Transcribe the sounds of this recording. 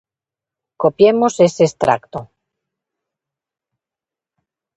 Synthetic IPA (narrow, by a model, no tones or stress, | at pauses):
kopjemosesest̪ɾa̰kt̪o